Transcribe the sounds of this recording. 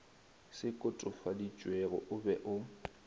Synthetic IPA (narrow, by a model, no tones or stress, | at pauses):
sɪkʼʊtʼʊfadit͡ʃʼwɛɣɔʔʊbɛʔʊ